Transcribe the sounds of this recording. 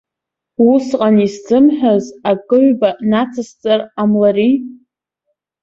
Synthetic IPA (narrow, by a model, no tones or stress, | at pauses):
wusqʼanisd͡zɨmħᶣazakʼɨʕʷbanat͡sʰast͡sʼaramlaɾi